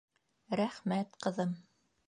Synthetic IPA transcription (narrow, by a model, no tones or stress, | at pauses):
ɾæχmæt̪qɤ̆ðɤm